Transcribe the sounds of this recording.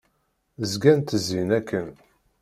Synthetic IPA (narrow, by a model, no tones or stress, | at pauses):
əzɡænt̪əzinækʰːən